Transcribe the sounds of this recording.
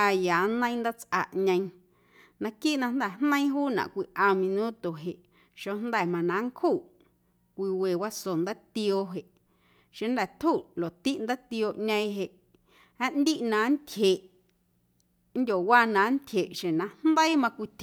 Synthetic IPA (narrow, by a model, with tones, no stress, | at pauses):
a˧jaː˨nə̃˦j̃nd̪a˦t͡sʔa̰˧˨ʔɲə̃˧j̃ | nã˧kiː˦ʔnã˧nd̪ɛ˦˨hnə̃˦ĩ˦ɦuː˦nã̰˨ʔkʷi˧ʔã˧mĩ˧nũ˦t̪o˨ɦe˨ʔ | ʃo˧nd̪ɛ˧˨mã˨nã˨˦ŋkʰu˦˨ʔ | kʷi˧we˨wa˦so˨nd̪ə˦t̪i˧o˧ɦe˨ʔ | ʃẽ˧nd̪ɛ˧˨t̪ʰu˦˨ʔlo˨t̪i˦ʔnd̪ə˦t̪i˧o˧ʔɲə̃˧j̃ɦe˨ʔ | hã˦ʔnd̪i˦ʔnã˨˦nt̪ʲʰje˨ʔ | n˦dʲo˨waː˦˧nã˨˦nt̪ʲʰe˨ʔʃẽ˨nã˧n̥nd̪ə˦i˦mã˧kʷi˧t̪ʲ